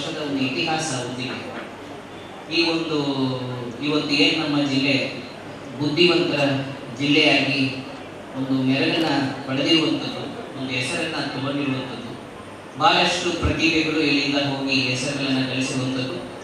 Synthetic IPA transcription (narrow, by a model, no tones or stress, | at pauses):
ʂɐd̪ɐond̪uit̪iɦaːsɐod̪ːiɡe | iːo̞nd̪u | iʋɐt̪ːueːnunɐmːɐd͡ʒilːe | bud̪ʱːiʋɐnt̪ɐɾɐ | d͡ʒilːɛjaːɡi | o̞nd̪umɛɾɐɡɐnːɐpɐɽɐd̪iɾuʋɐnt̪ɐd̪uot̪d̪uɛsɐɾɐnːɐt̪ubɐnd̪iɾuʋɐnt̪ɐd̪u | bʱaːɾɐʂʈupɾɐt̪iːbɛɡɐɭueɭːind̪ɐɦo̞ːɡiɦɛsɐɾɐɡɐɭɐnːɐkɐɭisiɾuʋɐnt̪ɐd̪ːu